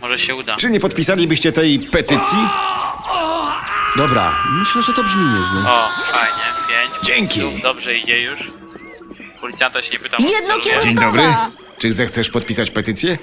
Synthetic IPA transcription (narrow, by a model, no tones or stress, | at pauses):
mɔʐɛɕɛud̪at͡ʂɘɲɛpɔt̪̚pʲisalʲibɘɕt͡ɕɛt̪ɛjpɛt̪ɘt̪sʲji | ɔd̪ɔbɾa̰mɘɕlɛʐɛt̪ɔbʐmʲimɛznɛɔfajɲɛpʲjeɲt͡ɕd͡ʑɛŋkʲid̪ɔbʐɛid͡ʑɛjuʂ | pɔlʲit̪sjant̪ɛʃɲɛpɘt̪amjɛd̪nɔkʲd͡ʑeɲd̪ɔbɾɘ | t͡ʂɨzɛxt̪sɛʂpɔt̪̚pʲisat͡ɕpɛt̪ɘt̪sʲjɛ